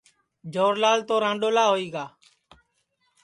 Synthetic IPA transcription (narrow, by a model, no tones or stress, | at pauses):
d͡ʒʱoːɾlaːlt̪oːɾãːɳɖoːlaːɦoːiːɡaː